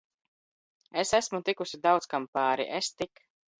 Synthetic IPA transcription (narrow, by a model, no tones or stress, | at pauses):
esæsmut̪ikusʲid̪awt̪skampaːɾḭʔest̪ik